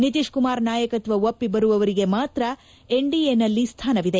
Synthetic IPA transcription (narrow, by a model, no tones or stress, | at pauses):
nit̪iʂkumaːɾnaːjɐkɐt̪ʋɐopːibɐɾuʋɐʋɐɾiɡe̞maːt̪ɾɐ | e̞ɳɖiːenɐlːist̪ʰaːnɐʋid̪e